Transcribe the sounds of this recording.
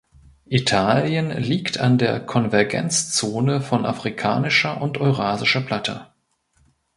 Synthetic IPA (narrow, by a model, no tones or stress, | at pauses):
ʔitʰaːljənliːktʰa̰ndeːɐkʰɔnvɛɐɡɛ̰nt͡st͡soːnəfɔnʔa̰fʁ̥ikʰa̰ːnɪʃɐʔʊntʔɔʏʁaːzɪʃɐpl̥atʰə̰